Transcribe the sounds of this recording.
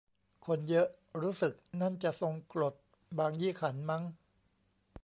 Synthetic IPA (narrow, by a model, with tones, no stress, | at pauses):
kʰo˧njɤ˦˥ʔ | ɾuː˦˥sɯ˨˩k̚na˥˩nt͡ɕa˨˩ʔso˧ŋklo˨˩t̪̚ | baː˧ŋjiː˥˩˨kʰa˩˦nma˦˥ŋ